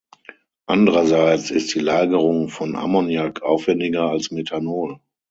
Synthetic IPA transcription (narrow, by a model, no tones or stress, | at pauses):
ʔandəʁɐzaɪt͡sɪstd̥iːlaːɡəʁʊŋfɔnʔa̰mɔnjakʰʔa̰ʊfv̥ɛndɪɡɐalsmetʰanoːl